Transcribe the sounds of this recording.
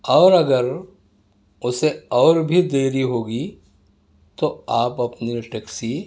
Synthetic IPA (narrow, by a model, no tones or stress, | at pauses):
ɔːɾɐɡəɾ | ʊseɔːɾbʱid̪eːɾiɦoːɡi | t̪oaːpɐpniʈɛksi